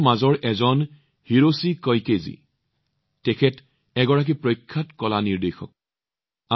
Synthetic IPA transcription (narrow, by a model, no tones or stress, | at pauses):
mazɔɹʔɛzɔn | hiɹosikɔjkezḭ | tɛkʰɛt | ɛɡɔɹak̬ipɹɔjkʰːatkɔlaniɹdexɔ̰k̚ | a